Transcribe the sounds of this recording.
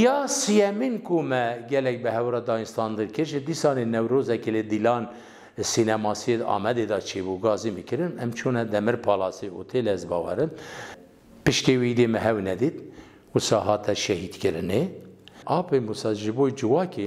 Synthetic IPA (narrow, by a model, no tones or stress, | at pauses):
jɑːsijɛminkʰumɛɡɛlɛk̚bɨɦɛwɾɑːd̪ɑːinst̪ɑːnd̪ɨɾkɨɾʒɪd̪isɑːnenɛwɾoːzɛkeled̪ilɑːn | sinɛmɑːsijed̪ɑ̰ːmɛd̪ed̪ɑt͡ʃʰeːbuɡɑːzimɨkɨɾɨnɛmt͡ʃʰoːnɛd̪ɛmɨɾpʰɑːlɑːseut̪ʰelzbɑːwɛ̰ɾɨm | pɨʃkewid̪emɛɦɛwnɛd̪it̪̚ | wʊsɑːɦɑːt̪ʰɛʃɛhid̪kɨɾɨne | ɑːpʰemusɑʒɨbod͡ʒɨwɑːke